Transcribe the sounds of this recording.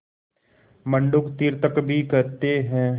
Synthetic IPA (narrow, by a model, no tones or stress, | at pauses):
mə̃ɳɖʊkt̪iɾt̪əkbʱikɐɾt̪eɦɛ̃ː